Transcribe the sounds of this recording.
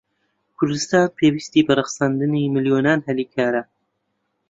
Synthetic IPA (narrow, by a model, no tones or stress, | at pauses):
kʰʊɾd̪ɨst̪aːnpʰewist̪iːbɨrɨxɨ̥saːnd̪ɨniːmɨljoːnaːnhɛliːkʰaːɾɐ